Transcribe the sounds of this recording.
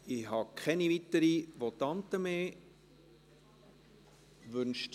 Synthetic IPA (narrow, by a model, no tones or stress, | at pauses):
ɪhɑkʰχɛnivit̪əɾiʋot̪ɑnt̪əmeː | ʋʏnʃt